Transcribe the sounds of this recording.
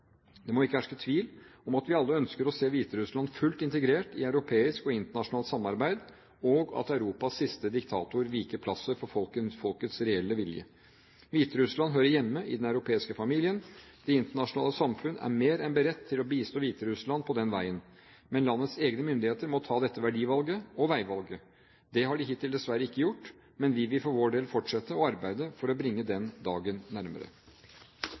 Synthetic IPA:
d̪ɛmɔɪkːəæʂkət̪ʰʋiːlɔmɑt̪ʋɪɑlːəœnskəɾɔseːʋiːt̪əɾʉslɑnfʉlt̪ɪnt̪əɡɾeːʈɪɑʉɾʊpʰeːɪskɔɪnt̪əɳɑʂʊnɑːlt̪sɑmːɑɾbæɪd̪ | ɔɡɑ̰t̪ɑʉɾuːpɑsːɪst̪əd̪ɪkt̪ʰɑ̰ːt̪ʊɾʋiːkəpʰlɑsəɾfɔɾfɔlkəfɔlkət̪sɾɛɛlːəʋɪljə̰ | ʋiːt̪əɾʉslɑnɦøːɾəjɛmːəʔɪ̰d̪ɛnɑʉɾʊpʰeːɪskəfɑmiːlɪənd̪̥ɛɪnt̪əɳɑʂʊnɑːləsɑmfʉnæ̰ɾmeːɾɛnbəɾɛt̪ʰːɪlɔbiːst̪oːʋiːt̪əɾʉslɑnpʰɔd̪ɛnʋæɪən | mɛnlɑnːət̪seːɡnəmʏnd̪ɪheːt̪əɾmɔt̪ʰɑːd̪ɛt̪ːəʋæɖiːʋɑlɡəɔʋæɪʋɑlɡə | d̪ɛɦɑɖɪɦɪt̪ʰːɪld̪ɛsʋæɾːəɪkːəjʊʈː | mɛnʋɪʋɪlfɔɾʋoːɖeːlfɔʈʂɛt̪ːəɔɑɾbæɪd̪əfɔɾɔbɾɪŋːəd̪ɛnd̪ɑːɡənːæɾmə̰ɾə̰

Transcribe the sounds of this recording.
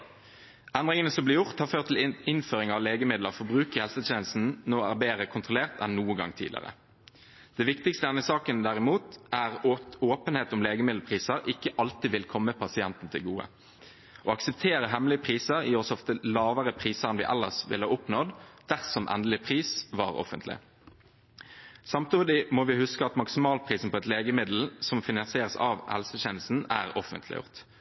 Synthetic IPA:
ɛnʁɪŋənəsɔmblɪjʊʁt̪hɑːʁføːʁt̪ʰɪlɪnføːʁɪŋɑʋleːɡəmɪd̪ləfɔbʁʉːkəhɛlsət̪ʰeːnlst̪n̩noːæ̰ːʁbeːʁəkʰʊnt̪ʁʊleːʁt̪ɛnːuːənɡɑ̰ŋt̪ʰḭːd̪ɪ̰ʁə̰ | d̪̥ɛʋɪkt̪ɪkst̪əɛnəsɑːkənd̪æʁɪmuːt̪æːʁoːpənheːt̪ʊmleːɡəmɪd̪l̩pʰʁiːsəʁʔɪkːəʔɑlt̪iːʋɪlkʰɔmːəpʰɑsɪɛnt̪n̩t̪ʰɪlɡuːə̰ | ʔɔɑksəp̚t̪ʰeːʁəɦɛmlɪəpʰʁiːsəʁiːɔsɔft̪əlɑːʋəʁəpʰʁiːsəʁɛnʋɪ̰ʔɛ̰lːəʁsʋɪ̰ləʁʊpnɔd̪d̪̥æʁsɔmʔɛ̰nd̪lɪpʰʁiːsʋɑ̰ʁɔ̰fə̰nt̪lɪ̰ | sɑmt̪uːd̪ɪmɔʋɪhʉskəɑt̪mɑksɪmɑːlpʰʁiːsn̩pʰɔɛt̪leːɡəmɪd̪l̩sɔmfɪnɑnsɪeːʁəsɑːʋhɛ̰lsəçɛnlsn̩æ̰ːʁɔfə̰nt̪ʰlɪ̰jʊ̰ʁt̪

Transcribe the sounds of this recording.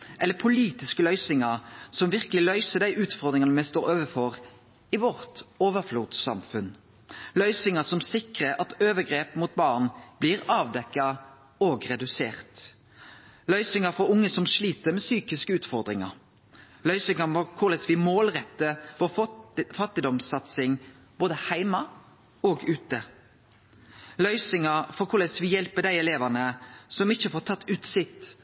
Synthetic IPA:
ʔɛlːəpʰʊliːt̪ɪskəlœʏsɪŋɑʁsɔmʋɪʁkəlɪlœʏsəd̪æɪʔʉːt̪fɔʁd̪ɾɪŋɑnəmæɪst̪oːɾoːʋəfɔʁ | ɪʋɔʁt̪oːʋəfluːd̪sɑ̰mfʉn | lœʏsɪŋɑsɔmsɪkʁəʔɑt̪øːʋəɡɾeːpmuːt̪̚bɑːʁnb̥liːɾɑːʋd̪ɛkːɑ | oːɡʁɛd̪ʉsḛːʁt̪ | lœʏsɪŋɑfɔɾʊŋːəsɔmʂliːt̪əɾmɛsyːkɪskəʉːt̪fɔʁd̪ɾɪŋɑ̰ɾ | lœʏsɪŋɑɔkʰʊʁlɛsʋɪmoːlʁɛt̪ːəʋoːfɑt̪ːɪd̪ɔmsɑt̪sɪŋ | b̥oːd̪əhæɪmɑ | oːɡʉːt̪ə | lœʏsɪŋɑfɔkʰʊɾlɛsʋɪjɛlpəd̪æɪɛleːʋənəsɔmɪçːəfoːʁt̪ʰɑt̪ːʉːt̪sɪt̪

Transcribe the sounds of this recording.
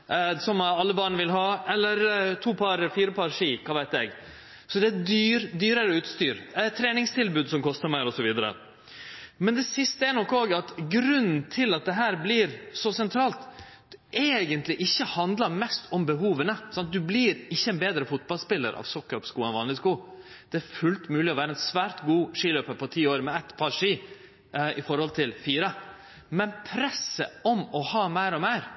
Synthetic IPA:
sɔmɑlːəbɑːɳʋɪlɦɑːɛlːəɾt̪ʰuːpʰɑɾfiːɾəpʰɑɾʂiːkʰɑːʋæɪt̪ɛɡ | sɔd̪ɛæd̪yːɾd̪yːɾəɾəʉːt̪st̪yːɾɛt̪ʰːɾeːnɪŋst̪ʰɪlbʉːd̪sɔmkʰɔst̪əɾmæɪɾɔsɔʋiːd̪əɾə̰ | mɛnd̪ɛsɪst̪əɛnɔkːoːɡɑt̪ɡɾʉnn̩t̪ʰɪlɑt̪̚d̪ɛɦæːɾbliɾsɔsɛnt̪ʰɾɑːlt̪ | ʔeɡənt̪lɪʔɪçːəhɑnd̪lɑɾmɛst̪ɔmbəɦuːʋənəsɑnt̪̚d̪ʉblɪːɾɪçːəɛnbeːd̪ɾəfʊt̪bɑlspɪlːə̰ɾʔɑ̰ːʋsɔkːɑpskuːɛnʋɑːnlɪskuː | d̪̥ɛæɾfʉlt̪mʉːlɪɔʋæːɾəɛnsʋæːɾt̪ɡuːʂiːløːpəɾpʰɔt̪ʰiːoːɾmɛæt̪pʰɑːɾʂiː | ɪfɔɾhɔlt̪ʰɪlfiːɾə | mɛnpʰɾɛsəɔmɔhɑːmæɪɾɔmeɪɾ

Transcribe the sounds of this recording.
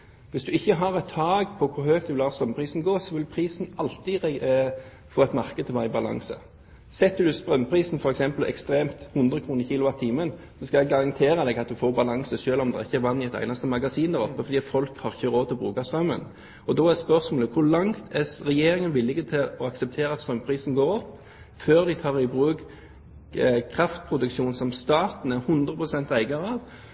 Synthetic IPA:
ʋɪsd̪ʉɪçːəɦɑʁɛt̪ʰɑːɡpʰɔkʰʊɾhøːk̚t̪ʉʋɪlhɑːʁst̪ɾœmpʰɾiːsn̩ɡoːsɔʋɪlpʰɾiːsn̩ɑlt̪ɪɛ | foːɛt̪mɑʁkəd̪ʰɪʋɑɪbɑlɑ̰ŋsə̰ | sɛt̪ːʉd̪ʉst̪ɾœmːpʰɾiːsn̩fɔɾɛksɛmpəl̩ɛ̰kst̪ɾeːmt̪hʊnd̪ɾəkʰɾuːnəçiːlʊʋɑt̪ʰiːmən | sɔskɑjɛɡɡɑʁɑnt̪ʰeːɾəd̪ɛɡɑt̪̚d̪ʉfoːɾbɑlɑŋsəʃøːlɔmd̪ɛ̰ʁɪçːəɛɾʋɑnːɪɛt̪æ̰ɪnɑst̪əmɑɡɑsiːnd̪æɾɔpːəfɔd̪iːfɔlkhɑʁɪçːəɾoːd̪ʰɪɔbɾʉːkɑst̪ɾœmːə̰n | ɔd̪ɔːædspœʁsmoːləkʰʊʁlɑŋt̪ʰɛsɾɛjeːɾɪŋənʋɪlːɪɡət̪ʰɪlɔɑksɛp̚t̪ʰeːɾəɑt̪st̪ɾœmpʰɾiːsn̩ɡoːɾɔpː | føːɾd̪ɪt̪ʰɑːʁɪbɾʉːk | kʰɾɑft̪̚pʰɾʊd̪ʉkʃuːnsɔmst̪ɑːt̪n̩æɾhʉnd̪ʁəpʰʁʊsɛnt̪æɪɡɑɾəɑʋ

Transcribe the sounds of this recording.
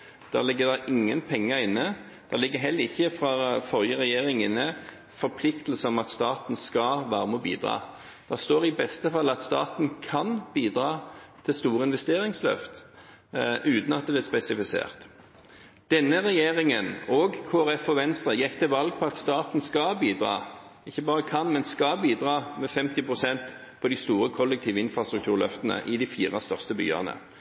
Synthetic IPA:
d̪̥æ̰ːʁlɪɡːəd̪ɛɪʔɪŋːənpʰɛŋːəɾɪnːə | d̪̥æʁlɪɡːəɦɛlːəɾɪçːəfʁɑfɔʁjəʁɛjeːʁɪŋənə | fɔɾpʰlɪkt̪əlsəɔmɑt̪st̪ɑːt̪n̩skɑʋæːʁəmoːbḭːd̪ɾɑ̰ː | d̪̥æʁst̪oːʁɪbɛst̪əfɑlːɑt̪st̪ɑ̰ːt̪n̩kʰɑnbiːd̪ɾɑːt̪ʰɪlst̪uːɾəɪnʋɛst̪eːɾɪŋslø̰ft̪ | ʉːt̪nɑt̪̚d̪ɛblɪːʁspɛsɪfɪsḛːʁt̪ | d̪̥ɛnːəʁɛjeːʁɪŋənoːɡkʰoːæʁɛfɔʋɛnst̪ʁəjɛkːt̪ʰɛʋɑlɡ̚pʰɔɑt̪st̪ɑːt̪n̩skɑbiːd̪ʁɑ̰ː | ɪçːəbɑːʁəkʰɑnmɛnskɑbiːd̪ʁɑːmɛfɛmt̪ɪpʁʊsɛnt̪ | pʰɔd̪ɪst̪uːɾəkʰɔlːɛk̚t̪ʰiːʋəɪnfʁɑst̪ɾʉkt̪ʰʉːʁlœ̰ft̪ənə̰ʔɪd̪ɪfiːʁɑst̪œʁst̪əby̰ːɑ̰nə̰

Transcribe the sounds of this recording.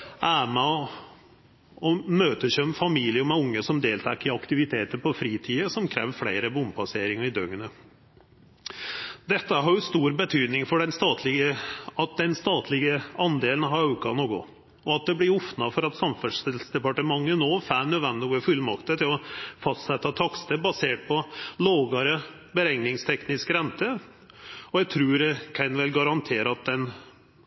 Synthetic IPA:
ʔæːmə | ɔmøːt̪əɕœmfɑmiːlɪəmɛʊŋːəsɔmd̪eːlt̪ʰɑːkɪɑkt̪ɪʋɪt̪ʰeːt̪əpɔfɾiːt̪ʰiːəsɔmkʰɾḛːʋflæɪɾəbʊmpʰɑseːɾɪŋɑɪd̪œŋənə | d̪ɛt̪ːəɦɑɾjʊst̪uːɾbət̪ʰyːd̪nɪŋfɔɖɛnst̪ɑːt̪ʰlɪɡəɑt̪̚d̪ɛnst̪ɑːt̪ʰlɪɡəɑnd̪eːlən̩ɦɑɾʉːkɑnoːɡʊ̰ | ɔɑt̪̚d̪ɛblɪɾɔfnɑfɔɾɑt̪sɑmfʉnst̪ɪsd̪ɛpɑʈəmɑŋːənoːfæːnød̪ʋɛnd̪ɔɡəfʉlmɑkt̪ət̪ʰɪlɔfɑst̪sɛt̪ːɑt̪ʰɑkst̪əbɑseːʈ̚pʰɔloːɡɑɾə | bəɾɛŋnɪŋst̪ʰɛknɪskɾɛnt̪ə | ɔjæɡt̪ʰɾʉːɾkʰɛnʋɛlɡɑɾɑnt̪ʰeːɾəɑt̪̚d̪ɛn

